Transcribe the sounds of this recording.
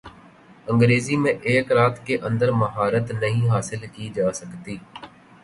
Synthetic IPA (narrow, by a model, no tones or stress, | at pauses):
ə̃ŋɡɾeːziːmẽʔeːkɾaːt̪ʰkeːʔə̃nd̪əɾməɦaːɾət̪nəɦĩːɦaːsɪlkiːd͡ʒaːsəkt̪iː